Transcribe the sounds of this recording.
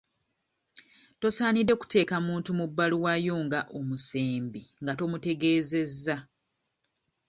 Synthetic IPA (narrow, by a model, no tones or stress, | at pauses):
to̞saːnidːe̞ku̥te̞ːkamuːntumubːaluwajoːŋɡaʔo̞museːmbiŋɡato̞mute̞ɡe̞ːze̞zːa